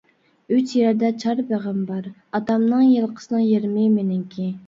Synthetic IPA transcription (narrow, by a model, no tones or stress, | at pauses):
yt͡ʃjæɾd̪ɛt͡ʃʰɑɾbeʁæmbɑɾ | ɑt̪ɑmnɨŋjelˠqʰə̥sɨnɨŋjeɾmɪmenɪŋkʲʰi